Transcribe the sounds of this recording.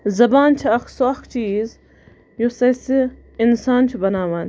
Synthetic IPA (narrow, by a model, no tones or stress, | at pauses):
zɐbaːnt͡ʃʰiɐkʰsokt͡ʃiːz | josɐse | insaːnt͡ʃʰubɐnaːʋaːn